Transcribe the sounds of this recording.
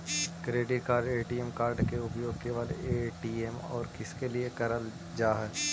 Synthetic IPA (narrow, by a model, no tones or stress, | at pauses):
kɾeːɖɪʈ̚kaːɾɖeːʈiemkaːɾɖkeʊpjoːɡkeʋaːlḛeːʈiːemɔ̰ːɾkɪskeliekɐɾəl | d͡ʒaːɦɛ